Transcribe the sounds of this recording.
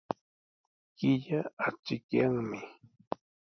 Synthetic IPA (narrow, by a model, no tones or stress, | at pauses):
kɪʎaat͡ʃɪkjaŋmɪ